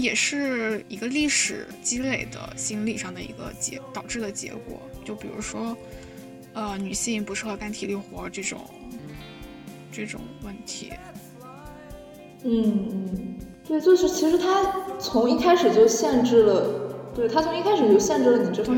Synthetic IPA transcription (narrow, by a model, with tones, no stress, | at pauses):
jɛ˨˩ʂɻ̩˥˩i˧˥ɡə˧li˥˩ʂɻ̩˨˩ | t͡ɕi˥le˨˩ɪd̪ə̰˧ɕi˥nli˨˩ʂɑ˥˩ŋd̪ə˩ḭ˧˥ɡə̰˧t͡ɕjɛ̰˧˥t̪ɑ˨˩ʊʈ͡ʂɻ̩˥˩d̪ə˩t͡ɕjɛ̰˧˥kwɔ̰˨˩˦t͡ɕjo˥˩ʊpi˨˩ɻṵ˧˥ʂwɔ˥ | ə˧ny˨˩ɕi˥˩ŋpu˧˥ʂɻ̩˥˩xə˧˩˥k̪a˥nt̪ʰi˨˩ly˥˩xwɔ˧˥˧ʈ͡ʂɤ˥˩ʈ͡ʂʊ̰˨˩˦ŋ | ʈ͡ʂɤ˥˩ʈ͡ʂʊ̰˨˩˦ŋwə˥˩nt̪ʰḭ˧˥ | n̩˥˩n̩˥˩t̪we˥˩ɪt͡ɕwʊʂɻ̩˥˩t͡ɕʰi˧˥ʂɻ̩˧˥t̪ʰa˥t͡sʰʊ˧˥ŋi˥˩kʰa˥ɪʂɻ̩˨˩t͡ɕjo˥˧ʊɕjɛ˥˧nʈ͡ʂɻ̩˥˩lə˩t̪we˥ɪt̪ʰa˥t͡sʰŋi˥˩kʰa˥ɪʂɻ̩˨˩t͡ɕjo˥˧ʊɕjɛ˥˧nʈ͡ʂɻ̩˥˩lə˩i˨˩ʈ͡ʂɤ˥˩˥